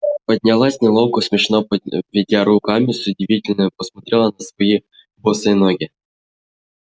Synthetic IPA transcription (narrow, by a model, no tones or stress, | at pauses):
pədʲnʲalˠasʲnʲɪlˠowkʊsʲmʲɪʂnovʲɪdʲaɾukamʲɪsʊdʲɪvʲitʲɪlʲnəpəsmɐt̪ɾʲelˠɐnɐsvɔji | bosəjnoɡʲi